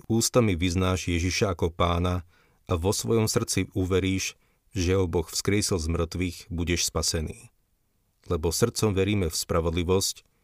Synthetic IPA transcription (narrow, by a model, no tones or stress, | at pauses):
uːst̪amiʋiznaːʒjɛʒiʃaːkɔpaːna | aʋɔsʋɔjɔmsr̩t͡siuʋɛɾiːʒ | ʒɛɦɔbɔxfskɾɪɛsilzmr̩t̪ʋiːɣbuɟɛʃspasɛnḭː | lɛbɔsr̩t͡sɔmʋɛɾiːmɛfspɾaʋɔd̪liʋɔsc